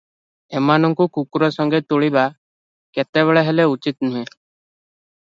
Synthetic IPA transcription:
emanɔŋkukukuɾɔsɔŋɡet̪uɭiba | ket̪eβeɭeɦeleut͡ʃit̪nuɦẽ

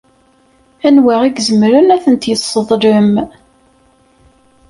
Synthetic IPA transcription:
ænwæʁiɡzəmɾənæθənt̪jəsˤːəðˤɾəm

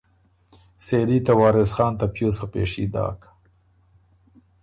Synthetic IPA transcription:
selit̪awɑːɾɪsxɑːnt̪apjosapḛʂḭd̪ɑ̰ːk

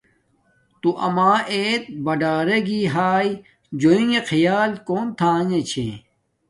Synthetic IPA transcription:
t̪uʔɐ̰maːeːt̪̚bɐɖaːɾeɡiɦaːj | d͡ʑoĩŋekʰijaːlkoːnt̪ʰãːɲet͡ɕʰḛ̃

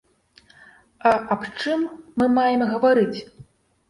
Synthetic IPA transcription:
ɐʔapt͡ʂɨmːɨmajɛmɣɐvaɾɨt͡sʲ

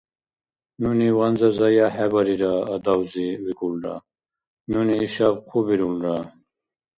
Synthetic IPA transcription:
nuniwanzɐzajaheβaɾiɾaːd̪awziwikulɾa̰ | nuniːɕabqʰubiɾulɾa

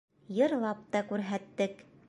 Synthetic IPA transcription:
jɤ̆ɾlˠɑp̚t̪ɑkʉɾɦæt̪ːɘk

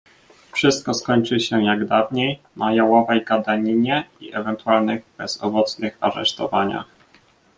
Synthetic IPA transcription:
fʂɘst̪̚kɔskɔɲt͡ʂɘɕɛjaɡd̪avɲejnajawɔvɛjɡad̪aɲiɲɛḭʔɛvɛnt̪ualnɘɣbɛz̥ɔ̰vɔt̪snɘxa̰ɾɛ̰ʂt̪ɔvaɲa̰x

